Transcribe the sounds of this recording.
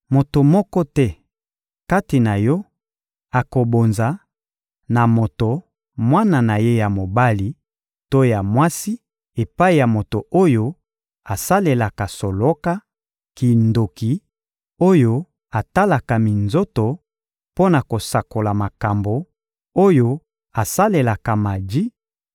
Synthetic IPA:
mo˨to˨mɔ˦kɔ˦tɛ˦ | ka˦ti˨na˨jɔ˦ | a˨ko˨bo˨nza˨ | na˨mo˨to˨ | mwa˦na˦˨na˨je˦ja˨mo˨ba˦li˨ | to˦ja˨mwa˦si˦ | e˨pa˦i˨ja˨mo˨to˨ʔo˦jo˦ | a˨sa˦le˨la˨ka˨so˨lo˦ka˦ | ki˨ndo˨ki˨ | o˦jo˦ | a˨ta˦la˨ka˨mi˨nzo˦to˨ | po˦na˨ko˨sa˨ko˨la˨ma˨ka˨mbo˨ | o˦jo˦ | a˨sa˦le˨la˨ka˨ma˨di˦

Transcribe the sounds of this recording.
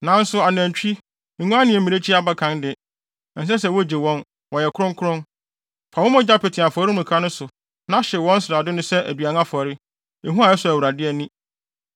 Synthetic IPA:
nã˨˦n˦sʊ˦a˨n˨æ̃˨t͡ɕᶣi˦˨ | ŋũ˦a˦nɪ̃˨ɛ̃˨mĩ˨e˦t͡ɕʰi˦a˦ba˦kʰã˨˦ndɪ˨ | n̩˨s̬ɛ˦s̬ɛ˨wɔ˦d͡ʑe˨wɔ̃˦n | wɔ˨jɛ˨kʰʊ˦ɾʊ̃˦ŋkʰʊ˦ɾʊ̃˦n | fa˨wɔ˦mɔ̃˦d͡ʑa˦pe˨tʰɪ̃˨a˨fɾɪ˦mũ˨kʰa˦nʊ̃˦sʊ˨ | nã˦ɕɪ˨wɔ̃˦n˦sɾaː˨dɪ˦nʊ̃˦sɛ˦ʔæ̰˨dɥa˨n˦a˦fɔ˨ɾɪ˦ | e˨ɦũ˦a˨ɛ˦sʊ˨æ˨wu˨ɾa˨dɪ˦ɛ˨nĩ˦

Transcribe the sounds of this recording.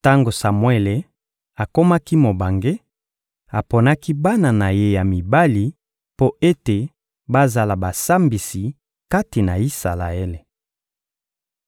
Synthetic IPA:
ta˦ŋɡo˨sa˨mwe˦le˨ | a˨ko˦ma˦ki˦mo˨ba˨ŋɡe˦ | a˨po˨na˦ki˦ba˦na˨na˨je˦ja˨mi˨ba˦li˨˦ | po˦e˦te˨ | ba˦za˨la˨ba˨sa˦mbi˨si˨ | ka˦ti˨na˨i˦sa̰˨la˨e˦le˨

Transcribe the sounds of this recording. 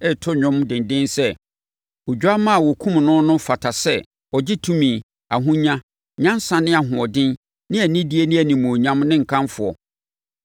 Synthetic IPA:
ɛ˦tʰʊ˦ɲᶣʊ̃˦mdɪ̃˨ndɪ̃˦nsɛ˦ | o˨d͡ʑᶣu˦a˦mã˦a˨wɔ˨kʰũ˦mnʊ̃˦nʊ̃˦fa˨tʰa˨sɛ˦ | ɔ˨d͡ʑɪ˦tʰũ˦mĩː˨ | a̰˨ɦũ˦ɲã˦ | ɲã˦n˦sã˨nɪ̃˦a˨ɦʊ̃˨ɔ˨dɪ̃˦n | nɪ̃˦æ˨nĩ˦di˦e˦nɪ̃˦æ˨nĩ˨mũ˨o˨ɲã˦mnɪ̃˦ŋ̩˨kʰã˦mfʊ˨ɔ̰˨

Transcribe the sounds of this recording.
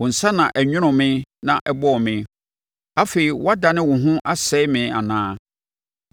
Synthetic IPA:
wʊ̃˨n̩˨sa˦nã˨ʔɛ˨ɲᶣʊ̃˦ñʊ̃˨mɪ̃˦nã˨ʔɛ˦bɔ˦˨mɪ̃˦ | a˦fe˨i˨wa˦da˨nɪ̃˦wʊ̃˨ɦʊ̃˦ʔa˦sɛ˦ɪ˦mɪ̃˨˦a˨nãː˦

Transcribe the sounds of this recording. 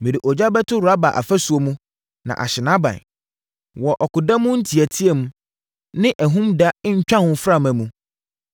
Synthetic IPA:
mĩ˨ɾi˨ʔɔ˨d͡ʑa˦bɛ˦tʰʊ˦ɾʊ˨ɾa˦ba˨ʔa̰˨fæ˦su˨o˦mũ˦ | nã̰˨ʔa̰˨ɕɪ˨nã˦bã̰˨n | wɔ˨ʔɔ˨kʊ˨da˦mʊ̃˦n̩˦tʰi˨æ˨tʰi˦ɛ˦mũ˦ | nɪ̃˦ʔæ˨ɦũ˦mda˦ɲ̩˦t͡ɕᶣã˦hʊ̃˦fɾa˦˨mæ̃˨mũ˦

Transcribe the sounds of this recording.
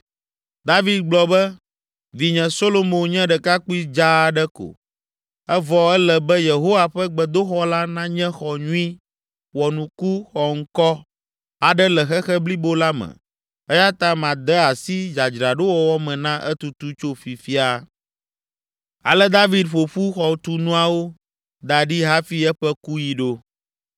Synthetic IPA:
d̪a˦vi˦d̪̚ɡ͡blɔ˨bɛ˦ | vi˨ɲɛ̃˨so˦lo˦mõ˨nɲɛ̃˦ɖɛ˨ka˦ku˦i˦d͡ʒa˦˨ɖɛ˦ko̰˨ | ɛ˦vɔ˨ɛ˦lɛ˨bɛ˦je˨ɦo˦wa˨ɸɛ˦ɡ͡bɛ˨d̪o˦xɔ˦la˦nã˦ɲɛ̃˦xɔ˨ɲũ˦i˦ | wɔ˨nũ˨ku˦xɔ˨ŋ̩˦kɔ˦ | a˨ɖɛ˦lɛ˨xɛ˦xɛ˦bli˦bo˦la˦mɛ̰̃˨ | ɛ˦ja˦t̪ã˦mã˨d̪ɛ˦a˨si˦d͡ʒa˨d͡ʒɾa˨ɖo˦wɔ˦wɔ˦mɛ̃˨nã˦ʔɛ˦t̪u˨t̪u˦t͡ʃo˦fi˨fi˦a˦ | a̰˨lɛ˦d̪a˦vi˦d̪ɸo˨ɸu˦xɔ˨t̪u˦nũ˦a˨wo˦ | d̪a˨ɖi˦ɦa˦fi˦ɛ˦ɸɛ˦ku˦ji˨ɖo˦

